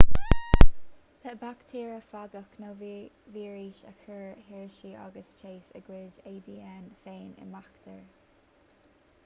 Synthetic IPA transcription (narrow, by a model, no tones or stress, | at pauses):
hʰəbakt̪ʰiːɹəfaɡəknoː | viːɹiːʃəkʰəɹhiɹʃiːʔa̰ɡəst͡ʃʰeːsə̰ɡweːd͡ʒeːd̪iːɛnfeːnɪ̰makt̪ʰəɹ